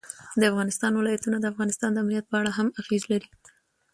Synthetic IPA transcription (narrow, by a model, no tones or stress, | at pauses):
d̪əafɣɑnɪst̪ɑnwɪlɑjat̪unad̪əafɣɑnɪst̪ɑnd̪əamnijat̪̚pəaɽaɦamaɣezlaɾi